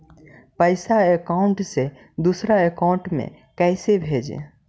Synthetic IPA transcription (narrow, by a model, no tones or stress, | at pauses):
pəɪsaekaʊɳʈse | d̪usɾaekaʊɳʈmḛ̃ | kɛɪsebʱed͡ʒḛ